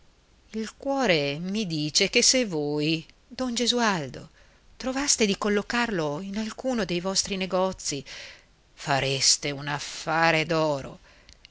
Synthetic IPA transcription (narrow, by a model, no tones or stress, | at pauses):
ilkwɔːɾemid̪iːt͡ʃekesevoj | d̪ɔnd͡ʒezuald̪o̰ | t̪ɾovast̪ed̪ikolːokarloinalkuːnod̪ejvɔst̪ɾineɡɔt̪sːi | faɾest̪eunafːaːɾed̪ɔːɾo̰